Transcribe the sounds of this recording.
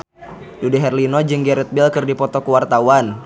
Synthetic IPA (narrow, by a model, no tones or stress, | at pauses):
dudɛɦɛrlinɔd͡ʒɨŋɡɛɾɛt̪̚bɪlkɨrdipɔt̪ɔkuwart̪awan